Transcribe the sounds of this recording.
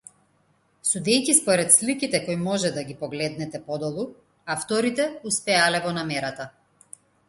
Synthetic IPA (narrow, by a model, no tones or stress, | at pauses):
sud̪ɛjkispɔɾɛt̪slikit̪ɛkɔjmɔʒɛd̪aɡʲipɔɡlɛd̪nɛt̪ɛpɔd̪ɔlˠu | aft̪ɔɾit̪ɛuspɛalɛvɔnamɛɾat̪a